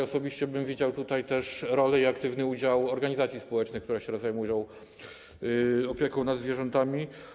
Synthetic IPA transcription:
ɔsɔbʲiɕt͡ɕɛbɘmvʲid͡ʑawt̪ut̪ajt̪ɛʂɾɔlɛiakt̪ɘvnɘud͡ʑawɔɾɡaɲizat̪sʲjispɔwɛt͡ʂnɘxkt̪uɾɛɕɛɾɔzajmujɔ̃w̃ | ɔpʲjɛkɔ̃w̃nad̪zvʲjɛʐɛnt̪amʲi

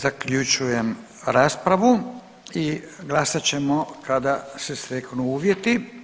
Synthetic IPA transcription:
zakʎut͡ʃuje̞m | ɾaːspɾaʋu | i | ɡlasat͡ɕe̞mokad̪asesɾeknuuːʋje̞t̪i

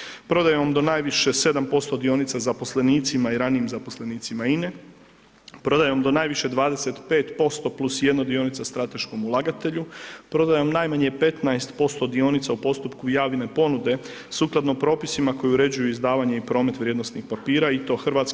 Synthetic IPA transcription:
pɾo̞d̪ajeamd̪o̞najʋiʃese̞d̪ampo̞st̪o̞d̪io̞nit̪sazapo̞sle̞niːt̪simaiɾaniimzapo̞sle̞niːt̪simaine | pɾo̞d̪ajeomd̪o̞naːjʋiʃe̞d̪ʋaːd̪e̞se̞t̪pe̞ːt̪po̞st̪o̞plusje̞d̪nod̪io̞nit̪sast̪ɾat̪e̞ʃko̞mulˠaɡat̪e̞ʎupɾo̞d̪ajeomnajmaɲepe̞t̪najst̪po̞st̪o̞d̪io̞nit̪saupo̞st̪upkujaːʋine̞po̞nud̪e̞ | suklˠad̪nopɾo̞ːpisimako̞juɾe̞d͡ʑujuizd̪aːʋaɲe̞ipɾo̞ːme̞t̪ʋɾʲje̞d̪nosnixpapiːɾait̪o̞xrɾʋat̪s

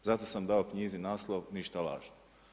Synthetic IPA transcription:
zat̪o̞samd̪aokɲizinaːslˠoʋniʃt̪ala̰ːʒno

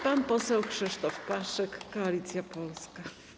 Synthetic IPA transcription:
panpɔsɛwxʂɘʂt̪ɔfpaʂɛkːɔalʲit̪sʲjapɔlska

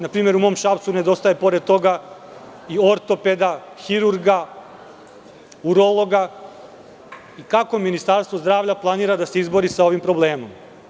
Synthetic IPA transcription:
napɾiːme̞ɾumo̞ːmʃapt̪sune̞d̪o̞st̪ajepo̞ɾe̞d̪̚t̪o̞ɡa | io̞ɾt̪o̞ped̪a | xiɾuɾɡa | uɾolˠo̞ɡa | ikako̞minist̪aɾst̪ʋo̞zd̪ɾaːʋʎaplˠaniːɾad̪ase̞izbo̞ɾisao̞ʋimpɾo̞blˠeːmom

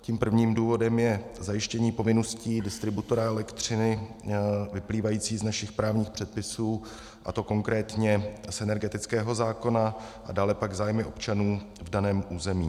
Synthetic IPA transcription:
ciːmpr̩vɲiːmduːvo̞dɛmjɛzajɪʃcɛɲiːpo̞vɪno̞sciːdɪst̪ɾɪbut̪o̞ɾaɛlɛkt̪r̝̥ɪnɪ | vɪpliːvajiːt͡siːznaʃɪxpɾaːvɲiːxpr̝̥ɛt̪̚pɪsuː | ʔa̰t̪o̞ko̞ŋkɾɛːt̪ɲɛsʔɛnɛɾɡɛt̪ɪt͡skɛːɦo̞zaːko̞naʔadaːlɛpaɡzaːjmɪʔo̞pt͡ʃanuː | vdanɛːmʔuːzɛmḭː

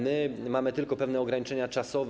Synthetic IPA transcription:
mɘmamɘt̪ɘlkɔpɛvnɛɔɡɾaɲit͡ʂɛɲat͡ʂasɔv

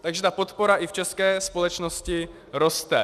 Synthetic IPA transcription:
t̪aɡʒɛt̪apot̪poɾaʔift͡ʃɛskɛːspolɛt͡ʃnoscɪ | ɾost̪ɛ

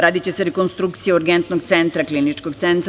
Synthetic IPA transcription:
ɾaːd̪it͡ɕeseɾekonst̪ɾukt̪sijeoɾɡent̪noɡ̚t̪sent̪ɾaklinit͡ʃkoɡt̪sent̪ɾ

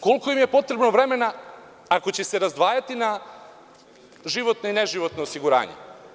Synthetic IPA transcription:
ko̞lkoimjepo̞t̪ɾe̞bnoʋɾe̞me̞na | ako̞t͡ɕe̞se̞ɾazd̪ʋaːjat̪ina | ʒiʋo̞t̪noineʒiʋo̞t̪noosiɡuɾa̰ːɲḛ

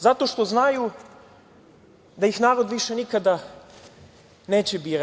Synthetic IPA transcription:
zat̪o̞ʃt̪o̞znaju | d̪ajixnaːɾo̞d̪ʋiʃe̞nikad̪a | neːt͡ɕebiːɾa

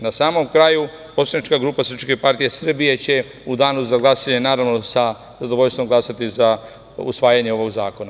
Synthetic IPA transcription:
nasaːmo̞mkɾaːju | po̞soanit͡ʃkaɡɾuːpasɾ̩r̩pʃkepaɾt̪ijesr̩bije̞t͡ɕe̞ | ud̪aːnuzaɡlˠasaɲenaːɾaʋnosa | zad̪oʋoʎst̪ʋo̞mɡlˠasat̪iza | ṵsʋaːjaɲeo̞ʋo̞ɡzaːko̞na

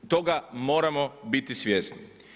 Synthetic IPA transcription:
t̪o̞ɡamo̞ːɾamobit̪isʋjesnḭ

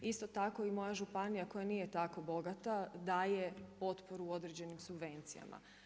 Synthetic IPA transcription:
ist̪o̞t̪ako̞imo̞jaʒupanijako̞janijet̪ako̞bo̞ɡat̪ad̪aːjepo̞t̪po̞ɾuo̞d̪ɾed͡ʑe̞nimsubʋe̞nt̪sija̰mʔa̰

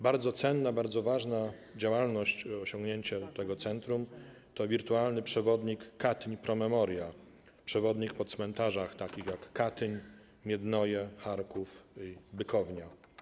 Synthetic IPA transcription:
baɾd̪zɔt̪sɛnːabaɾd̪zɔvaʐna | d͡ʑawalnɔɕt͡ɕɔɕɔŋɡɲeɲt͡ɕɛt̪ɛɡɔt̪sɛnt̪ɾum | t̪ɔvʲiɾt̪ualnɘpʂɛvɔd̪ɲikːat̪ɲpɾɔmɛmɔɾja | pʂɛvɔd̪ɲik̚pɔt̪smɛnt̪aʐaxt̪akʲixjakːat̪ɘɲ | mʲjɛd̪nɔjɛxaɾkufibɘkʰɔvɲa

